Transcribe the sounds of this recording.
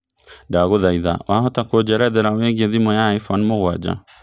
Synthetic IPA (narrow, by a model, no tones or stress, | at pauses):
daɣoðaiða̰wʔaɦɔtakod͡ʑɛɾɛðɛɾaweɡieðimɔjaːifɔnmoɣwad͡ʑa̰